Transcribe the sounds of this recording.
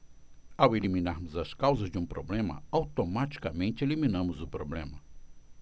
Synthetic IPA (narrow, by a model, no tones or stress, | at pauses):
awelimĩnaɾmʊzɐskawzɐzd͡ʒɪũpɾo̰blẽmɐ̰awt̪omat͡ʃi̥kɐmẽnt͡ʃɪelimĩnɐ̃mʊzʊpɾoblẽmɐ